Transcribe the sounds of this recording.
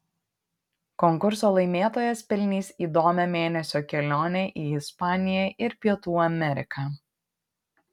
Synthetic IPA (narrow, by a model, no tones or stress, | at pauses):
kɔŋkʊɾsoːlˠɐɪmʲeːt̪oːjɛspʲɪlʲnʲiːsiːd̪oːmʲɛmʲeːnʲɛsʲoːkʲɛlʲoːnʲɛʔiːɪspɑːnʲɪjɛʔɪɾpʲiɛt̪uːɐmʲɛɾʲɪkʰɑː